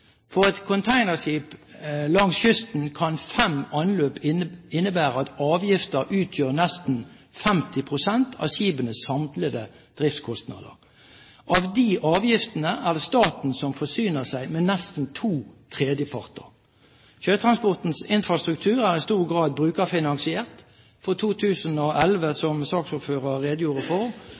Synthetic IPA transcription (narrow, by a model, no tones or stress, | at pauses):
fɔʁɛt̪kʰɔnt̪ʰæɪnəʁʂiːplɑŋsçʏst̪n̩kʰɑnfɛmɑnløːpɪnːəbæːʁəɑt̪ɑːʋjɪft̪əʁʔʉːt̪ʰjøːʁnɛst̪n̩ | fɛmt̪ɪpʰʁʊsɛnt̪ʰɑ̰siːbənəsːɑmt̪ləd̪ə | d̪̥ʁɪft̪skʰɔst̪nɑ̰d̪ə̰ʁ | ʔɑʋd̪iʔɑːʋjɪft̪ənəʔæd̪ɛst̪ɑːt̪n̩sɔmfɔsyːnəsæɪmɛːnɛst̪n̩t̪ʰuːt̪ʰʁeːd̪jəpʰɑʁt̪ə̰ʁ | çøːt̪ʰʁɑnspɔʁt̪n̩sɪnfɾɑst̪ʁʉk̚t̪ʰʉːʁæːʁɪst̪uːʁɡʁɑːd̪̚bʁʉːkɑfɪnɑŋsɪeːʁt̪ | fɔʁt̪ʰuːt̪ʰʉːsənɔʔɛlʋəsɔmsɑːksʊpføːʁəʁeːd̪əjuːʁəfɔʁ